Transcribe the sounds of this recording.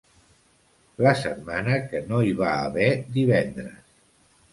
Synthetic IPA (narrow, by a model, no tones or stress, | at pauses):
ləsət̪̚manəkənoiβ̞aːβɛd̪iβɛnd̪ɾə̰s